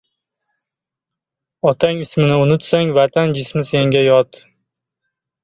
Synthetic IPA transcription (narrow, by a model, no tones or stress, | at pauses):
ɒt̪ʰaŋɪsmɪnɪʊnʊt̪saŋvat̪ʰand͡ʒɪsmɪse̞ŋɡʲajɒt̪